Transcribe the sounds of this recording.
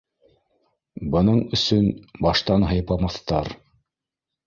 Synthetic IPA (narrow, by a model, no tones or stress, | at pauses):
bɤ̆nɤɴɵ̆sɵnbɑʃt̪ɑnɦɤ̆jpɑmɑθt̪ɑɾ